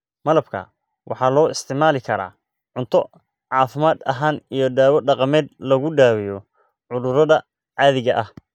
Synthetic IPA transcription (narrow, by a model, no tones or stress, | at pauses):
mɐlɐbkʰɐ̰ | wʔɑħɑːlɔːɪst̪ʰɪʕmaːlɪkʰɐɾa̰ː | ʕʊnt̪ʰɔ | ʕɑːfɪmaːd̪ɐɦaːnijɞɖaːwɐɖɑqɑmɛːd̪lɐɣʊɖaːwɪjɔ | ʕʊðʊɾɐðɐ | ʕɑːðɪɣɐʔɐh